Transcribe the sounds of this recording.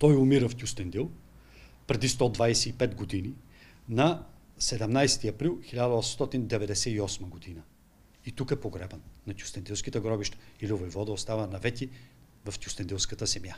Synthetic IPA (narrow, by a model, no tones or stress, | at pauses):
t̪ɔjʊmiɾəft̪ʲjust̪ɛnd̪ilˠ | pɾɛd̪ist̪ɔd̪vajsɛipɛt̪ɡod̪ini | nɐ | sɛd̪ɛmnajsɛ̥t̪iɐpɾilˠxilʲad̪əɔsmst̪ɔt̪ind̪ɛvɛd̪ɛsɛiɔsməɡod̪inə | it̪ukɛpoɡɾɛbənnɐt̪ʲju̥st̪ɛnd̪ilˠskʲit̪əɡɾɔbiʃt̪ə̥ilivojvɔd̪əost̪avənɐvɛt̪ʲi | vɐft̪ʲust̪ɛnd̪ilˠskət̪əsɛmja